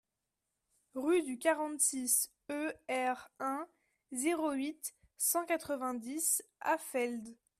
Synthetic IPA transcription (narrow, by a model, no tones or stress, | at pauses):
ʁyd̪ykaʁɑ̃t̪sis | øɛʁɛ̃ | zeʁoɥit̪ | sɑ̃kat̪χəvɛ̃d̪isafɛld̪